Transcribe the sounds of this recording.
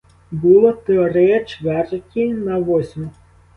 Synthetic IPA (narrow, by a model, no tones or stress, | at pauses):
bɨlˠɔt̪ɛɔɾɛjɐt͡ʂvʲɛrkʲinɐʋɔsʲmʲu